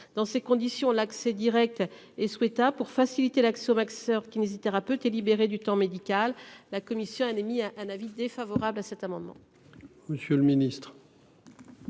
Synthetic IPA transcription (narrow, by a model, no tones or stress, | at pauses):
d̪̥ɑ̃sekɔ̃d̪isjɔ̃laksɛd̪iʁɛk̚t̪ | ɛswɛt̪apuʁfasilit̪elaksɛomaksœʁkʲinezit̪ɛʁapøt̪elibeʁed̪yt̪ɑ̃med̪ikʲalːakɔmisjɔ̃anemiʔɛ̃navid̪efavɔʁablasɛt̪amɑ̃d̪mɑ̰̃ | məsjøləminist̪χ